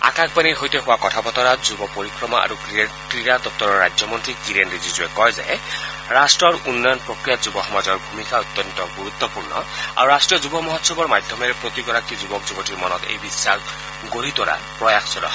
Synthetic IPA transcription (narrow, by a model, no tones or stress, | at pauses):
a̰kak̚baniɹɦojteɦʊwakɔtʰapɔt̪ɔɾad͡zubɔpoɾikɹɔmɔʔa̰ɹukien | ɹiɾad̪ɔp̚t̪ɔɹɔɹːa̰zjɔmɔntɹikiɾenɹizizuekɔjza̰ɛ | ɹasʈɹɔɹunːɔjɔnpɹokɹijatzubɔxɔmazɔɹbʱumikaut̪ːjɔntɔɡuɾut̪ːɔpuɹnɔ̰a̰ɹuɹasʈɹijɔzubɔmɔɦɔtsɔbɔɹmad̪ʱɔmɛɹpɹot̪iɡɔɾakizubɔkzubɔtʰiɹmɔnɔt̪ḛjbisːaɾ | ɡoɾit̪ɔɾa̰ | pɹɔjaxʰsɔɾɔ̰